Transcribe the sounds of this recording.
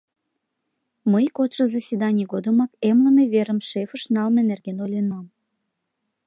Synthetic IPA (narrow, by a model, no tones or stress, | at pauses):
məjkotʃəzɑsʲid̪ɑnʲəɣod̪əmɑkemləmeβeɾəmʃefəʃnɑlmenerɣenolʲenɑm